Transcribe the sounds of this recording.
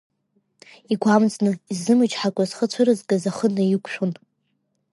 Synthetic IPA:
iɡʷamd͡znɨizːɨmɨd͡ʒħakʷʼazχət͡sʷʰaɾɨzɡazaχənɨjikʷʰʼʃᶣon

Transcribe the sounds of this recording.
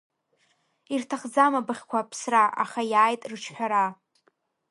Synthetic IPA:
irtʰaχd͡zamabɨχʲkʷʰapʰsraʔa̰χajaːjtʼrɨt͡ʃʰħʷᶣaɾa

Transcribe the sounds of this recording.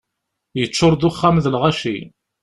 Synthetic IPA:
jət͡sːʊɾˤd̪ʊχːæmðlʁaʃi

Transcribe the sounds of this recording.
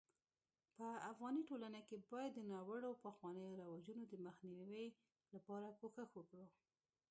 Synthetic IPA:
pəafɣɑniʈolanakebɑjad̪ːənɑwəɽawpaxwɑnəjoɾawad͡ʒunod̪əməxniwi | lapɑɾakoxəxwəkɽu

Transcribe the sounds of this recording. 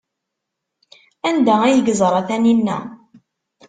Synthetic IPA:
ænd̪ææjəɡzˤɾˤɑθæninːæ̰

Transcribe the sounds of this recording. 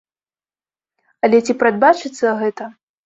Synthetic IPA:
ɐlʲɛt͡sʲipɾad̪̚bat͡ʂɨt̪sːɐɣɛt̪ɐ

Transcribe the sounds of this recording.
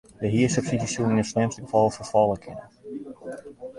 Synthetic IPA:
dəɦiəsəpsidisuɪnəslɪmstəɡəfɔlˠfəfɔlˠəkʰɪnə

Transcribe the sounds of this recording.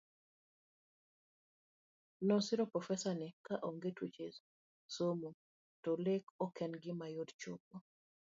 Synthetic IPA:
nɔsɪɾɔpɾɔfɛsanɪkaʔoŋɡetwet͡ʃe | somo | tɔlekɔkɛnɡɪmajodt͡ʃop̚o

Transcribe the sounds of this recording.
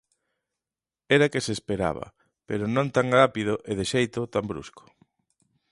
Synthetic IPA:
ɛɾakeseːspeɾa̰βɐ̰ | peɾʊnõnt̪aŋrapið̞ʊʔeðeʃejt̪ʊt̪ambɾṵskʊ̥

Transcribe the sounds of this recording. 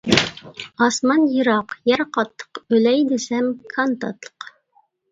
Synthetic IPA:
ɑsmɑnjiɾɑqjɛɾqɑt̪ʰːə̥qølɛjd̪ɪsɛmkʰɑnt̪ɑ̰t̪lˠə̥q

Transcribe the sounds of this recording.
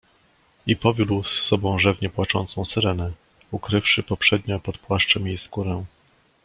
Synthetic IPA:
ipɔvʲjud̪wsːɔbɔ̃w̃ʐɛvɲɛpwat͡ʂɔ̰nt̪sɔ̃w̃sɛɾɛnɛ | ukɾɘfʂɘpɔpʂɛd̪ɲɔ̃pɔt̪pwaʂt͡ʂɛmjejskuɾɛ̃

